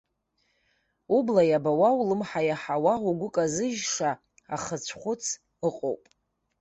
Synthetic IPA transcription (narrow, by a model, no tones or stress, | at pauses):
ublajabawawlɨmħajaħawaʁuɡʷʊkʼazɨʒʂa | a̰χət͡ɕʷʰχʷʊt͡sʰ | ɨqʼo̰wpʼ